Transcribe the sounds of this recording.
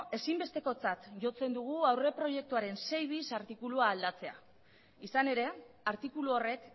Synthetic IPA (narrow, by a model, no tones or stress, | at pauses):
e̞simbe̞st̪e̞ko̞t͡sat̪ʝo̞t͡se̞nd̪uɣ̞uawre̞pɾo̞je̞k̚t̪uaɾe̞nse̞jβ̞isaɾt̪ikuluaːld̪at͡se̞a | isane̞ɾe̞ | aɾt̪ikuluo̞re̞k